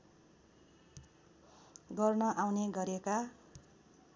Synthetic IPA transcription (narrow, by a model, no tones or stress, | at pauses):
ɡʌrnʌʔawneɡʌɾeka